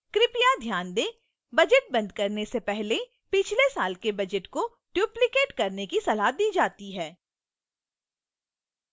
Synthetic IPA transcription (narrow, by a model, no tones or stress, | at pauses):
kɾɪpijad̪ʱjaːnd̪eː | bɐd͡ʒəʈ̚bɐ̃nd̪̚kɐɾnesepɛɦle | pɪt͡ʃʰlesaːlkebɐd͡ʒəʈko | ʈjuːplɪkeːʈkɐɾnekisɐlaːd̪iːd͡ʒaːt̪iɦɛː